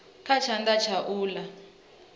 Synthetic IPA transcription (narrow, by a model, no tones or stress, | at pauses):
kʰat͡ʃʰandat͡ʃʰaʔuːla